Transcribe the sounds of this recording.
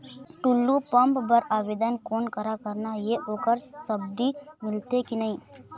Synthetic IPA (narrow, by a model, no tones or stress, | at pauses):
ʈulːupə̃mpbəɾaːʋeːd̪ənkoːnkəɾakəɾnajeʔoːkəɾsəbd̪imɪlt̪ekinɐɦĩː